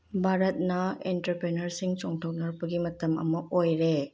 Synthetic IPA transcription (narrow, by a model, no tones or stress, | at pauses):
bʱaɾɐt̚nɐḛntɐɾpɾenɐɾsiŋt͡ʃoŋtʰɐw̚nɐɾbɐɡimɐtɐmɐ̰mɐʔojɾe